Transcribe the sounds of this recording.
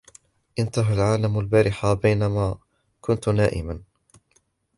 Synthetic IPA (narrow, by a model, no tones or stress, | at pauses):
ʔɪnt̪aɦalʕaːlamalbaːɾɪħabajnamaː | kʊnt̪naːʔɪ̰man